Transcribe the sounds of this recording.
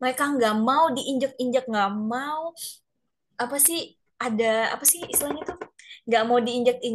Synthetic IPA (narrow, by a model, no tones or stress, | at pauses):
maaekaŋɡaʔmaudiʔiɲd͡ʒək̚iɲd͡ʒək̚ŋɡaʔmau | apasɪh | adaa̰pasɪhist̪laɲat̪uŋɡaʔmaudiːɲd͡ʒək̚i